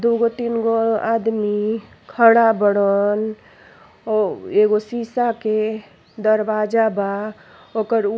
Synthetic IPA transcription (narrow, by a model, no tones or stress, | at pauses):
d̪uɡot̪inɡoad̪mi | kʰəɽ̃abəɽən | eɡosisake | d̪əɾbad͡ʒaba | okəɾ